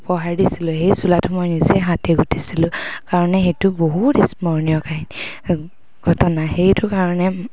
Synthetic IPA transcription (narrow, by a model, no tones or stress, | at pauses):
pɔɦaɹdisilʊɦejsulatʰʊmɔjnizɛɦãtɛɡʱutʰisilʊ̃kaɹɔnɛxejtʊboɦutismɔɹnijɔkaɦin | ɡʱɔtɔnaxejtʊkaɹɔnɛ